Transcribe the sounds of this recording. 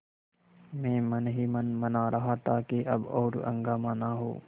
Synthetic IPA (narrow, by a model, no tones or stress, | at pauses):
mɛ̃ːmɐnɦiːmɐnmɐnaɾʔɐɦat̪ʰaːkeʔɐ̰bɔ̰ːɾɐ̰̃ŋɡaːmãːnaɦo̰ː